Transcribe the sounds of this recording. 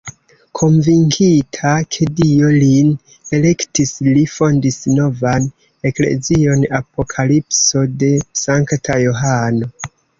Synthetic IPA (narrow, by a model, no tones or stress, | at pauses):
kʰo̞nviŋkʰitʰakʰe̞dio̞lin | e̞le̞ktislifo̞ndisno̞van | e̞kle̞̰zio̞napo̞kʰalipso̞de̞saŋktʰajo̞ɦano̞